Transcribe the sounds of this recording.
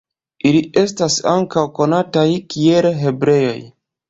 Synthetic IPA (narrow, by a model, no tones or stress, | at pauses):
iliʔe̞stasaŋkawko̞natajkielɦe̞bɾe̞jo̞̰j